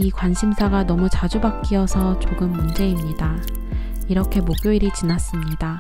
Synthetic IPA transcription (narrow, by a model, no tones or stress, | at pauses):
ikwanɕʰimsʰaɡanʌmut͡ɕad͡ʑubak͈̚iʌsʰʌt͡ɕoɡɯmːund͡ʑe̞imɲida | iɾʌkʰe̞moɡjoiɾit͡ɕinas͈ɯmɲida